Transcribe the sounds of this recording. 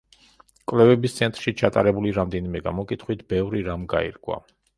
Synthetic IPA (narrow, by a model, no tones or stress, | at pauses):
kʼvlɛvɛbist̪sʰɛnt̪ʼɾʃit͡ʃʰat̪ʼa̰ɾɛbuliɾamd̪ɛnimɛɡamɔkʼit̪ʰχwit̪ʰbɛvɾiɾamɡaḭɾkʼwa̰